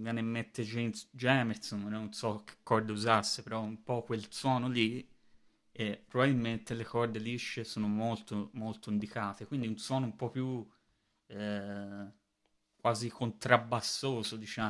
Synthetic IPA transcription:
vjɛːnemːet̪ːed͡ʒend͡ʒɛːmeɾt̪sonnnːonsɔk̟e̥kːɔrd̪euzasːepeɾɔumpɔkːwelswɔːnoli | epːɾobabilment̪elekɔrd̪eliʃːesoːnomolt̪omolt̪oind̪ikaːt̪ekwind̪iunswɔːnoumpɔpju | kwaːzikʰont̪ɾabːasːoːzod̪it͡ʃa

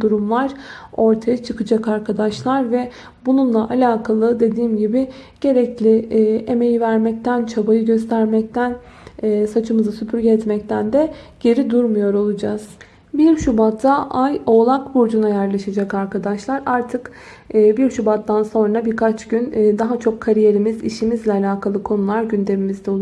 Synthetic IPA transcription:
d̪uɾumlˠaɾ̥o̞ɾt̪ʰajat͡ʃʰɯkɯd͡ʒakaɾkʰad̪aʃlˠaɾvɛ | bununlˠaʔalʲaːkʰalˠɯd̪e̞d̪iːmɟibɪ | ɟ̥e̞ɾɛclʲɪe̞me̞jivæɾmɛc̚t̪ʰænt͡ʃʰabajɯɟøst̪ʰæɾmɛc̚t̪ʰænː | sat͡ʃʰɯmɯzɯsypʰyɾɟɛɛt̪mɛc̚t̪ʰænd̪ɛ | ɟ̥e̞ɾid̪uɾmujo̞ɾo̞lˠud͡ʒaz̥ | biɾʃubat̪ʰːaʔajo̞lˠakbuɾd͡ʒunajæɾlʲˠaʃad͡ʒɛkaɾkʰad̪aʃlˠaɾaɾt̪ʰɯkː | biɾʃubat̪ːanso̞nɾabiɾkʰat͡ʃɟynːd̪aɦat͡ʃʰo̞kʰːaɾije̞ɾimizḭʃimizlʲɛalʲaːkʰalˠɯkʰo̞nulˠaɾɟynd̪e̞mimizd̪ɛo

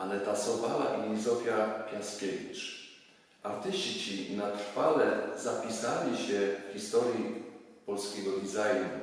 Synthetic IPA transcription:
alɛt̪asɔpala̰ʔilʲizɔfʲjapʲjaskʲevʲit͡ʂ | aɾt̪ɘɕt͡ɕit͡ɕinat̪ɾfalɛzapʲisalʲiɕɛxʲist̪ɔɾjipɔlskʲɛɡɔd̪ʲizajnu

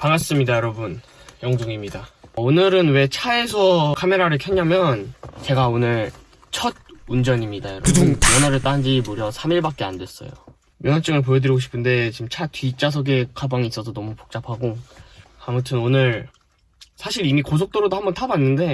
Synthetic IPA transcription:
paŋas͈ɯmɲidajʌɾʌbun | jʌŋsoŋimɲidaonɯɾɯnwe̞t͡ɕʰaes̬ʰʌkʰame̞ɾaɾɯɭkʰʌɲːamjʌnt͡ɕe̞ɡaonɯɭ | t͡ɕʰʌd̚und͡ʑʌɲimɲidajʌɾʌunmjʌnɦaɾɯɭt͈and͡ʑimoɾjʌsʰamiɭbak̚k͈e̞andwe̞s͈ʌ̰jo̰ | mjʌnat͡ɕ͈ɯŋɯɭp̬ojedɯɾiɡoɕʰi̥pʰɯnde̞t͡ɕimt͡ɕʰatʰɥit͡ɕ͈as̬ʰʌɡe̞kʰabaŋiːs͈ʌsʰʌnʌmupo̥k̚t͡ɕ͈apʰaɡo | amutʰɯnonɯɾ | sʰaɕʰiɾimikos̬ʰok̚t͈oɾodohambʌntʰabanːɯnde̞

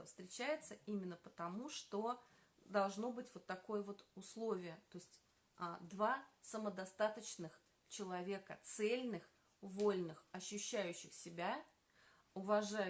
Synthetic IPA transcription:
fst̪ɾʲɪt͡ɕæjɪt̪səimʲɪnːəpət̪ɐmuʂt̪o̞ | d̪ɐlˠʐno̞bɨtʲvo̞t̪ːɐko̞jəvo̞t̪ʊslˠo̞vʲɪjət̪o̞sʲtʲ | əd̪vasəməd̪ɐst̪at̪ət͡ɕnɨx | t͡ɕɪlˠɐvʲe̞kət̪sɛlʲnɨx | volʲnɨxɐɕːʉɕːæjʉɕːɪxsʲɪbʲæ | ʊvɐʐa

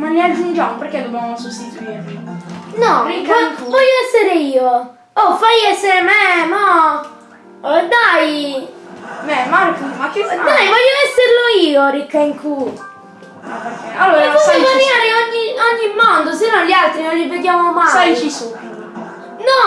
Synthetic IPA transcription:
maliad͡ʒund͡ʒamoperkːed̪ːobjamnonsust̪it̪uwieinɔikːŋkuvɔʎːoɛsːeɾeiːo | ɔfajɛsːeɾememɔ | d̪aj | memaɾokːumakːead̪ajvɔʎːoɛsːeɾloiːoɾikːaiŋkʰu | mapeɾkealːoːɾaɔovaviaːɾeɔɲːioɲːimːɔnd̪osenːoʎːialt̪ɾinolːiveɡ̪jaːmomaajt͡ʃisu | nɔ

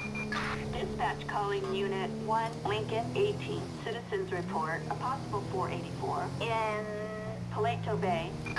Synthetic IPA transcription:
d̥ɪspæt͡ʃkʰɔlˠɪ̃ŋjʉnɨt̚wʌ̃nlɪ̃ŋkɨ̃neɪtʰĩnsɪɾɨzɨ̃nzɹɨpʰɔɹɾə˞əpʰɑsəbl̩ˠfɔɹʔeɪɾifɔɹɪ̃n | pʰəleɪtʰoʊbeɪ

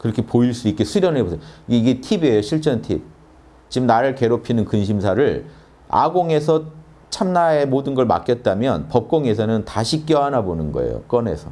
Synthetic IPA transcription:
kɯɾʌkʰe̞poiɭs͈uik͈esʰuɾjʌnebosʰejiɡeiɡe̞tʰibe̞joɕʰiɭt͡ɕ͈ʌntʰḭp̚ | t͡ɕimnaɾɯɭke̞ɾopʰinɯnkɯnɕʰimsʰaɾɯɭ | a̰ɡoŋe̞sʰʌ | t͡ɕʰamnae̞modɯnɡʌɭma̰k͈jʌt̚t͈amjʌnpʌp̚k͈oŋe̞sʰʌnɯntaɕʰik͈jʌanabonɯnɡʌ̰ḛjo̰k͈ʌne̞̰sʰʌ

